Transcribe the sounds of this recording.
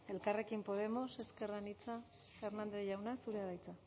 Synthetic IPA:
e̞lkare̞kimpo̞ð̞e̞mo̞se̞ske̞ranit͡sa | fe̞ɾnand̪e̞ʝawnasuɾeaðajt͡sa

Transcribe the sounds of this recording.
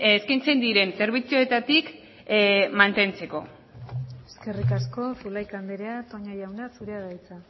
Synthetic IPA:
eskajnt͡se̞nd̪iɾe̞nse̞ɾβit͡sioe̞t̪at̪ik | mant̪e̞nt͡se̞ko̞̰ | eske̞rikasko̞fulajkand̪eɾeat̪o̞ɲajawnasuɾeaðajt͡sa

